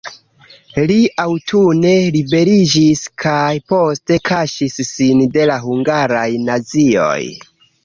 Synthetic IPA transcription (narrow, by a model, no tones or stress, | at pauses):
liawtʰune̞libe̞ɾid͡ʒiskʰajpo̞ste̞kʰaʃisːinde̞laɦuŋɡaɾajnazio̞̰j